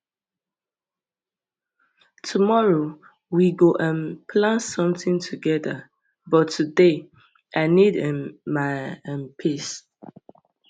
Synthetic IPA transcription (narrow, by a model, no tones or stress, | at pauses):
tʰumɔɹo | wiɡoʔə̃npʰlãnsɔ̃mθɪ̃ŋtʰuɡɛðə | bɔtʰːude | ʔaɪnidɛmaɛ̃mpʰis